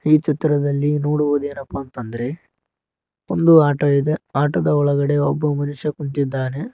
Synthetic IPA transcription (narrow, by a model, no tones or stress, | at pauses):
iːt͡ʃit̪ːɐɾɐd̪ɐlːinoːɽuʋud̪e̞ːnɐpːɐnt̪ɐnd̪ɐɾe̞ | ond̪uaːʈɐid̪eaːʈɐd̪ɐɔɭɐɡɐɽe̞obːɐmɐnuʂjɐkuɳt̪id̪ːaːne̞